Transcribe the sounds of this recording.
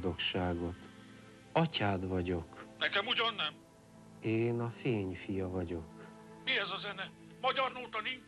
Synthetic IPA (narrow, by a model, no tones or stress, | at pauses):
d̪o̞kʃaːɡo̞t̪ | ɒcaːd̪vɒɟo̞knɛkɛmuɟɒnːɛm | eːnɒfeːɲfijɒvɒɟo̞k | miɛzɒzɛnɛ | mɒɟɒrnoːt̪ɒni